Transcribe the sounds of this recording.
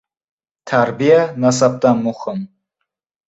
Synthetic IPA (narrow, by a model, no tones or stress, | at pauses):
t̪ʰaɾbijanas̬ab̚d̪anmʊhɪm